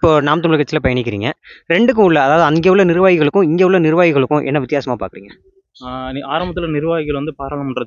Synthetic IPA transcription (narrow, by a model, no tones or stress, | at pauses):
ɪpːoːnaːmt̪ɐmɭɐkːɐt͡ʃːɪlɐpɐjɐɳɪk̬ʲːɪɾiːŋɡɐɾɛɳɖɯk̬ːɯ̃ʊɭːɐɐðaːʋɐðɯɐŋɡeːʋɯɭːɐnɪɾɯʋaːɣɪɣɐɭɯkːʊ̃ɪŋɡeːʋʊɭːɐnɪɾɯʋaːɣɪɣɐɭɯkːʊ̃ʔɛ̰nːɐʋɪt̪ːjaːsɐmaːpaːɾkɪɾḭːŋɡɐ | anɪʔaːɾɐmbɐt̪ːɪlɐnɪɾɯʋaːɣɪɣɐɭʋɐnd̪ɯpaːɾaːɭɐmʊɳɖɾɐ